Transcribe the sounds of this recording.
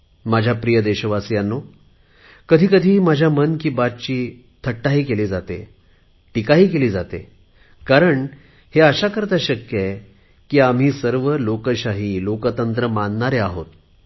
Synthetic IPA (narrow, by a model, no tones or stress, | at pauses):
mad͡ʑʱjapɾijəd̪eɕəʋasjanːo | kəd̪ʱiːkəd̪ʱiːmad͡ʑʱjamənkiːbat̪̚t͡ɕiː | t̪ʰəʈːaɦiːkeliːd͡zat̪ḛ | ʈikaɦiːkeliːd͡zat̪ḛ | kaɾəɳ | heəɕakəɾt̪aɕəkje | kiːam̤iːsəɾʋəlokəɕaɦiːlokət̪ənt̪ɾəmannaɾeaɦo̰t̪